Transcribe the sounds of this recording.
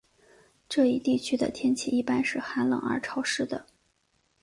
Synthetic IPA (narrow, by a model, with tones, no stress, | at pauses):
ʈ͡ʂɤ˥˧i˥˧t̪i˥˩t͡ɕʰy˥d̪ə̰˨t̪ʰjɛ˥nt͡ɕʰi˥˩i˥˩pa˥nʂɻ̩˥˩xa˧˥nlɤ̰˨˩ŋə̰˞˧˥ʈ͡ʂʰɑ˧˥ʊʂɻ̩˥˩d̪ə̰˩